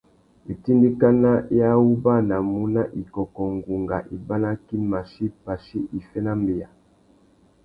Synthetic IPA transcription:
e˨ti˦ndi˦ka˦na˦ja˦u˦ba˦na˨mu˦na˦ʔi˨kɔ˨kɔ˨ŋɡu˨ŋɡa˨ʔi˨ba˦na˦ki˦ma˨ʃi˦pa˨ʃi˦ʔi˨fɛ˦na˦mbe˨ja˨

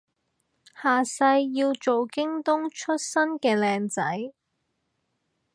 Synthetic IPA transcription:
haː˨˩sɐ˧jːiː˧wt͡ʃo˨wkɪ˥ŋt̪ʊ˥ŋt͡ʃʰɵ˥t̚sɐ˥nkɛː˧lɛː˧ŋt͡sɐ˨˥j

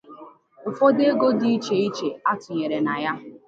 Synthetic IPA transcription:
ʊ˨fo˦de˦ɡo˦di˦i˦t͡ʃe˨i˦t͡ʃe˨a˦tʊ˨ɲe˨ɾe˨na˨ja˦

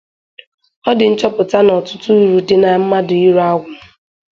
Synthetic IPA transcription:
ɔ˦dɪ˨n̩˦t͡ʃɔ˦pʊ˨ta˦nɔ˨tʊ̥˦tu˦u˦ɾu˨dɪ˦na˨m̩˦ma˦dʊ˨i˦ɾu˦a˦ɡʷʊ˨

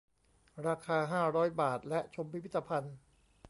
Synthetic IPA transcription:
ɾaː˧kʰaː˧ɦaː˥˩ɾɔː˦˥jbaː˨˩t̪̚lɛ˦˥ʔt͡ɕʰo˧mpi˦˥pʰi˦˥t̪ːa˧pʰa˧n

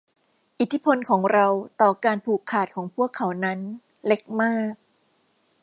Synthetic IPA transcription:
ʔi˨˩t̪ʰːi˦˥pʰo˧nkʰɔː˩˦ŋɾa˧wt̪ɔː˨˩kaː˧npʰuː˨˩kʰːaː˨˩t̪̚kʰɔː˩˦ŋpʰu˥˩əkʰːa˩˦wna˦˥n | le˦˥k̚maː˥˩k̚

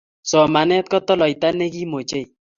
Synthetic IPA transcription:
sɔ˨ma˨nɛ˦t̪̚kɔ˦t̪ɔ˦lɔ˨jt̪a˦ne˦ki˦mo˨t͡ʃe˦j

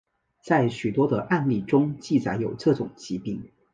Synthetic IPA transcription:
t͡sa˥˩ɪɕy˨˩t̪wɔ˥d̪ə˨˧ʔa˥˧nli˥˩ʈ͡ʂʊ˥ŋt͡ɕi˥˩t͡sa˧˥ɪjo˨˩ʊʈ͡ʂɤ˥˩ʈ͡ʂʊ˨˩ŋt͡ɕi˧˥pi˥˩ŋ

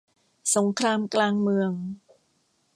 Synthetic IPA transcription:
so˩˦ŋkʰɾaː˧mklaː˧ŋmɯ˧əŋ

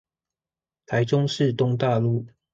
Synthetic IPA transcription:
t̪ʰa˨˥ɪʈ͡ʂʊ˥ŋʂɻ̩˥˨t̪ʊ˥ŋt̪a˥˧lu˥˩

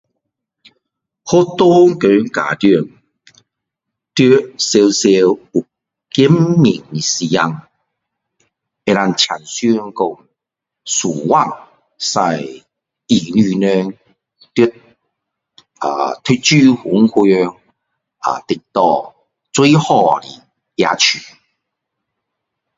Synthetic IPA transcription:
hɔ˦t̪ɔ˦ŋkø˨˦ŋka̰˨t̪y˥˧˩ŋ | t̪y˧se˧wse˧wu˨˩ | ki˦˥mːi˨˩ŋi˨si˧ja˧ŋ | e˧ɾa˧nt͡ɕʰa˨˩nsy˧˦˧ŋkɔ˧ŋ | suː˨˩wa˥˧˨ŋ | sa˧j | i˨˩ny˧nɛ˧ŋ | t̪i˥ | a̰˨t̪ʰi˥t͡ɕy˥˧˩hu˨˦ŋhu˧ŋ | a̰˨˩t̪i˨k̚t̪ɔ˧ | t͡swu˦jhɔ˧˨li˨˩ | ja̰˧t͡ɕʰy˨˩

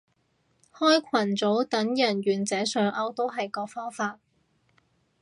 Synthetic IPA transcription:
hɔː˥jkʷʰɐ˨˩nt͡so˨˥wt̪ɐ˨˥ŋjɐ˨˩nɥyː˨nt͡sɛː˨˥sœː˨ŋʔɐ˧wt̪o˥wɦɐ˨jkɔː˧fɔː˥ŋfaː˧t̚

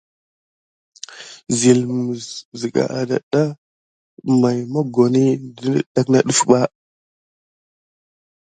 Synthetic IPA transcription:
zi˨lmə˨zzə˨ɡa̰˨ʔa̰˨da̰˨ɗa˦ | ma˨jma˦ɡo˨ni˦də˦ɗa˦kna˦ɗə˦fɓa˦

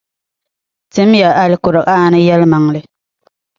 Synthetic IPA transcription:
tɨ˨˦mja˨ʔa˦lɪ˦kʊ˨ɾɨ˨ʔaː˦˨nɨ˦jɛ˦lma˨ŋlɨ˨

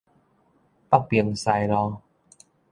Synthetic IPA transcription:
pa˥˧k̚pi˧əŋsa˧jɾɔ˧

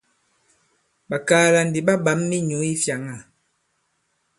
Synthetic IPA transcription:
ɓa˨kaː˨˦la˨n˨di˨ɓa˦ba˨˦mːi˦ɲu˨˦i˦fja˨ŋa˦˨

